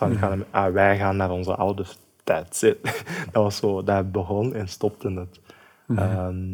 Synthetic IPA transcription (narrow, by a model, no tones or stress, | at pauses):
anaːnəʔaʋɛjɣaːnːaːɾɔnzə̰ʔɑwdə | tɛtsɪtd̥ɑʋɑsoːdaːrbəɣɔnɛnstɔp̚tənət | əm